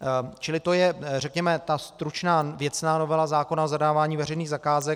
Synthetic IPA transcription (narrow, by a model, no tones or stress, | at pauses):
t͡ʃɪlɪt̪o̞jɛrɛkɲɛmɛt̪ast̪ɾut͡ʃnaːvjɛt͡snaːno̞vɛlazaːko̞naozadaːvaːɲiːvɛɾɛjniːɣzakaːzɛ